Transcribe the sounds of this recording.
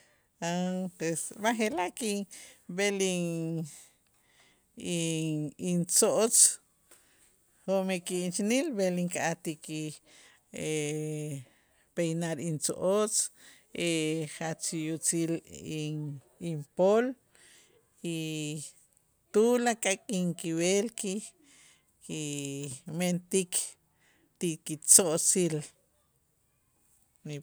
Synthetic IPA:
apesmaχelakibeliŋ | iint͡soʔot͡s | homekiːnt͡ʃinilβeliŋkaʔat̪iki | e | pejnaɾint͡so̰ʔot͡s | ʔeχat͡sijut͡sili | impol | i | t̪ulakʼakʼiŋkiwelki | ki | ment̪ik | t̪ikit͡soʔt͡sil | ni

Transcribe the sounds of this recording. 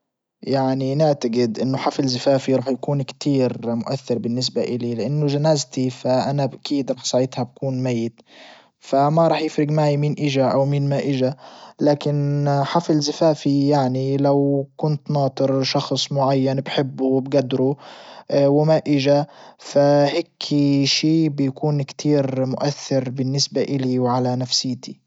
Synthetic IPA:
jaʕninɪʕt̪aɡɪd̪ʔɪnːʊħafɪlzafaːfiɾˤɑːħjakuːnkt̪ʰiːɾmʊʔaθːɪɾbɪnːɪs̬baʔɪlilɪʔanːʊʒanaːzt̪ifaʔanabʔakiːd̪ɾˤɑːħsˤaʕɪd̪hab̚kuːnmajːɪt̪ | famaɾˤɑːħjɪfɾɪɡmaːjmiːnʔɪʒaʔawmiːnmaʔɪʒalaːkɪnħafɪlzafaːfijaʕnilawkʊnt̪nɑːt̪ˤɨɾʃɑxsˤmʊʕajːanbħɪbːubɡad̪ːɾu | wɪmaʔɪʒafaheːkʰiʃiːbjakuːnkt̪ʰiːɾmʊʔaθːɪɾbɪnːɪsbaʔɪliwʕalanafsɪjːt̪i

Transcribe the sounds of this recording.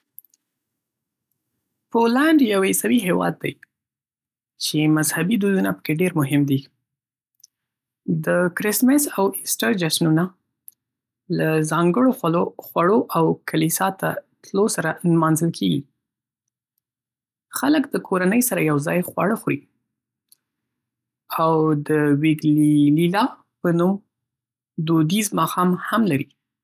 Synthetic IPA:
polaɳɖjawesawiɦewɑ̰d̪ːaj | t͡ʃemazhabid̪ujunapə̥keɖeɾmʊɦɪmd̪i | d̪əkɾɪsmɪsawɪsʈaɾd͡ʒaʃnuna | lazɑŋɡəɽooxwaɽoʔawkʰalisɑt̪a̰t̪losaɾanmɑnzəlkʰeɡi | xaləkd̪əkʰoɾanəjsaɾajawzɑjxwa̰ɽəxɾi | awd̪əwiɡlililɑ | pənum | d̪od̪izmɑxɑmhamlaɾi

